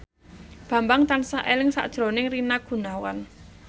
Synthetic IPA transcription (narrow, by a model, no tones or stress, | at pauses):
b̥ä̤mbaŋt̪ansaʔelɪŋsa̰ʔd̥ʒ̥ɾo̤nɪŋrinaɡ̥ṳnawan